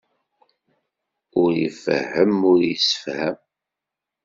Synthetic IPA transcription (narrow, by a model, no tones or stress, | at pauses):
ʊɾjəfə̰ɦːəmʊɾjəsə̥fhæm